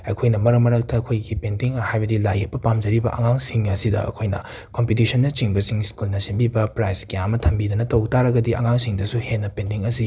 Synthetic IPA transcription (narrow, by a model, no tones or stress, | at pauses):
ɐjkʰojnɐmɐɾɐkmɐɾɐk̚tɐːkʰojɡipentiŋɐhajbɐdilajek̚pːɐpamd͡ʒɐɾibɐ̰ʔɐ̰ŋaŋsiŋɐsidɐ̰ɐ̰kʰojnɐ̰ | kompit̬isʰɐnːɐt͡ʃiŋbɐsiŋskulnɐsimbibɐpɾajskijamɐtʰɐmbidɐnɐtɐwtaɾɐɡɐdiʔɐ̰ŋaŋsiŋdɐsuhenːɐpentiŋɐsi